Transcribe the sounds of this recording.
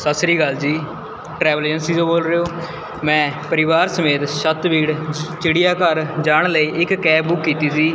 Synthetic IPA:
səsɾiːɡəld͡ʒiː | ʈɾɛːʋəleːd͡ʒənsiːõːboːlɾeːoː | mɛ̃ːpəɾɪʋaːɾsəmeːt̪ʃət̪ʋiːɽt͡ʃɪɽijaːkəɾd͡ʒaːɳləiːʔɪkːɛːbʊkːiːt̪iːsiː

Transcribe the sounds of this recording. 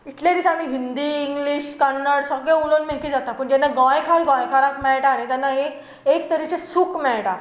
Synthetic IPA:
it̪ljad̪isamiːɦind̪iːŋɡliɕkanːəɽsəɡɭẽulonmekiːd͡zat̪apəɳd͡ʑ̪ɛnːaɡɔjkʰaɽɡɔ̃jkʰaɾãkmɛɭʈanet̪anːaɦi | ek̚t̪əɾit͡ɕesukmɛɭʈa

